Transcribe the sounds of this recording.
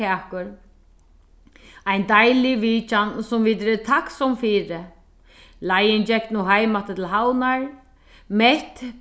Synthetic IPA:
ɛːkʊɾ | ajnd̪ajlɪviːt͡ʃansʊmviːt̪ɾɪt̪ʰaksɔmfiːɾɪ | lajɪnt͡ʃɛk̪nuɦajmat̪ɪt̪ʰɪlɦawnaɹ | mɛht̪

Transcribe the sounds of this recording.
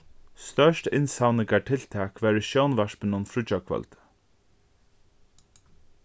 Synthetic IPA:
st̪œʃtɪnsawnɪkaʈʰɪlt̪ʰɛːkʋæːɹəʃjownʋaɹpənənfɾʊt͡ʃakʰvœ̰lt̪

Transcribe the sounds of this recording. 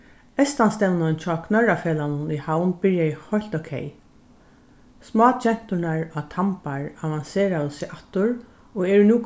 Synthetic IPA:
ɛst̪anst̪ɛwnant͡ʃʰɔːkʰnœɹafeːlanʊnihawnbɪɹjaɪhɔl̥t̪okʰḛj | smɔːt͡ʃʰɛn̥t̪ʊnaɹɔt̪ʰampaɹavanseːɾawəsɪʔat̪ʊɹ | ɔɛɹnuːk

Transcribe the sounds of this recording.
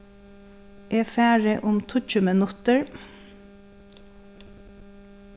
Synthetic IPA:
ʔeːfæːɹəʔʊmt̪ʰʊc͡çʉmənʉt̪əɹ

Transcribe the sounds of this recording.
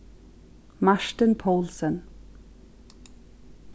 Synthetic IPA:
maʃtənpʰoːlsən

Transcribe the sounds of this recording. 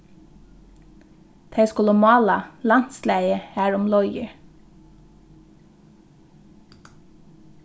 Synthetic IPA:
t̪ʰeɪskʉləmɑːlɑlɑnt̪slæɪəhæːɹʊmlɔʏɡə̰

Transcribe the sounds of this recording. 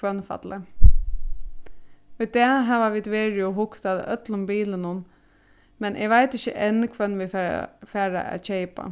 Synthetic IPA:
ʋœnːfa̰t̪lə | ɔd̪ɛːɦaʋaʋiːd̪ʋeːɹɪɔɦʊkt̪aðə̰ʔœt̪lʊmbiːlɪnʊn | mɛnʔɪ̰ɡʋaɪt̪ɪçəʔɛnːkʰʋœnːʋɪfæːɹa̰ʔa̰t͡ɕɛjpa̰

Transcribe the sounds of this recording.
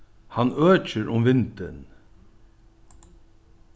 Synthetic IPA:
hanøːt͡ʃɪɾʔʊmʋɪnt̪ɪn

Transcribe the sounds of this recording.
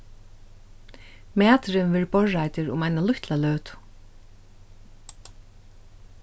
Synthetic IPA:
mæːt̪ɾɪnvɛːɹbɔɹːajt̪ɪɾʊ̰majnalʊht̪lalœːt̪ʊ̥

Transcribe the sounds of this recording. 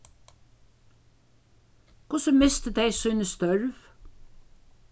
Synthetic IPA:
kʰʊsəmɪst̪əd̪ejsujnəst̪œɹv

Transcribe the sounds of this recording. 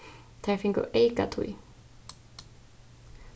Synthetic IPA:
t̪ʰafɪŋkʊ̰ʔejka̰t̪ʰṵj

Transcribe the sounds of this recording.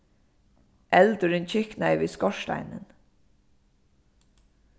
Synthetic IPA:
ʔɛlt̪ʏɾɪnt͡ɕʰɪhknaɪviːskɔʃt̪a̰jnɪ̰n

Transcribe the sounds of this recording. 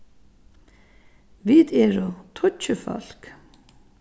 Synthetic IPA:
ʋiːd̪ɛːɹʊt̪ʰʊt͡ʃəfɔ̰l̥k

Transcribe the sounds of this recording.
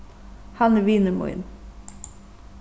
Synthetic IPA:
hɑnəʋiːnəmɔ̰ɪ̰n

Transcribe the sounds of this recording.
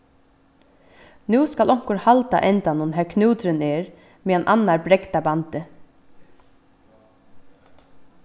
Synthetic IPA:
nuːskalʔɔŋ̥kʊɾhalt̪a̰ʔɛnt̪anʊnɦɛːɹkʰnuːt̪ɾɪnɛːɾ | meːanʔa̰nːaɹbɾɛkt̪abant̪ɪ

